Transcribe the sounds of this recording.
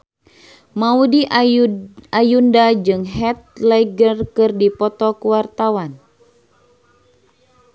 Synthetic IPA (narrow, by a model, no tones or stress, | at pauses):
maudiʔ | ajundad͡ʒɨŋɦɛt̪̚lɛɡərkɨrdipɔt̪ɔkuwart̪awan